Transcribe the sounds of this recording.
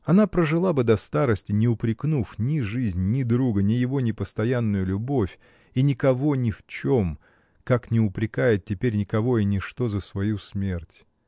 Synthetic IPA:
ɐnapɾəʐɨlˠabɨd̪ɐst̪aɾəsʲtʲɪnʲɪʊpɾʲɪknufnʲɪʐɨzʲnʲnʲɪd̪ɾuɡənʲɪjɪvo̞nʲɪpəst̪ɐjanːʊjʊlʲʊbo̞fʲ | inʲɪkɐvo̞nʲɪft͡ɕo̞m | kaknʲɪʊpɾʲɪkajɪt̪̚tʲɪpʲeɾʲnʲɪkɐvo̞ɪnʲɪʂt̪o̞zəsvɐjusmʲe̞rtʲ

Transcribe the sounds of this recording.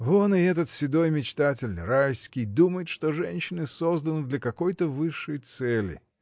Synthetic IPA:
vonɨɛt̪ət̪sʲɪd̪o̞jmʲɪt͡ɕt̪atʲɪlʲnɨ̰ɾajsʲkʲɪjd̪uməjɪt̪ʂt̪o̞ʐɛnʲɕːɪnɨsozd̪ənɨd̪lʲɐkɐko̞jt̪əvɨʂːɨjt̪sɛlʲɪ̰

